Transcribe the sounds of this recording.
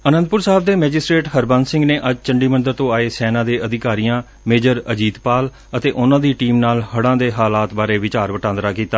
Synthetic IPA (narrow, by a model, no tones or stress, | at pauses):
ənənd̪̚pʊɾsaːb̚d̪eːmɛːd͡ʒɪsʈɾeːʈɦəɾbənsɪ̃ŋɡneːʔəd͡ʒt͡ʃəɳɖiːmənd̪əɾt̪õːaːeːsɛːnãːd̪eːʔəd̪ɪkaːɾijãː | meːd͡ʒəɾəd͡ʒiːd̪paːl | ət̪eːʔʊnãːd̪iːʈiːmnaːlhəɽãːd̪eːɦaːlaːt̪baːɾeːʋɪt͡ʃaːɾʋəʈãːnd̪ɾaːkiːt̪aː